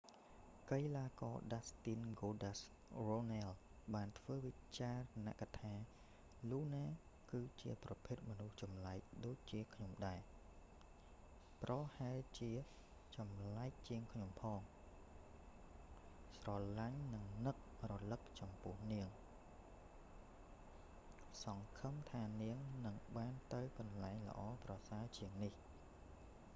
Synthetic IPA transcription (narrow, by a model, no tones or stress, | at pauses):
kəjlaːkɑːɗast̪inɡoːɗas | ronalɓaːnt̪ʰʋəːʋit͡ɕaːrna̰ʔkat̪ʰaː | luːnaː | kɨːt͡ɕiəprɑpʰeːt̪̚mɔnuht͡ɕɑmlaɛk̚ɗoːc̚t͡ɕiəkʰɲomɗaɛ | prɑhaɛlt͡ɕiə | t͡ɕɑmlaɛk̚t͡ɕiəŋkʰɲompʰɑːŋ | srɑlaɲnɨŋnɨk̚rolɨk̚t͡ɕɑmpʊ̆əhniəŋ | sɑŋkʰəmt̪ʰaːniəŋnɨŋɓaːnt̪ɨwkɑnlaɛŋlə̰̆ʔɑːprɑsaət͡ɕiəŋnih